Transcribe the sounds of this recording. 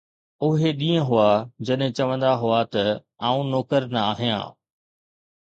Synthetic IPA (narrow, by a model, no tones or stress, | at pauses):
ʊɦeɗĩːə̃ɦʊad͡ʑɐɗɦɪ̃t͡ɕɐʋə̃nd̪aɦʊat̪ɐ | aːũnoːkəɾnɐaːɦijã̰ː